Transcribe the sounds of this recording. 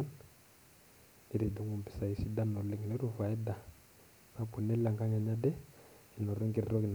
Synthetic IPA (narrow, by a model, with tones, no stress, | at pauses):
n | i˦ɾi˨du˨˦ŋɡu˨mpi̥˨sa˨i˨si˦da˦nɔ˨le˨ŋ˨nɛ˦ɾu˦fa˨ɛ˦da˨ | na˦pu˨nɛ˦la˨ŋka˦ɲa˨ɲa˦dɛ˦ | ɛ˨nɔ˨ɾe˦ŋɡi˨ɾi˦ɾɔ˦ki˨n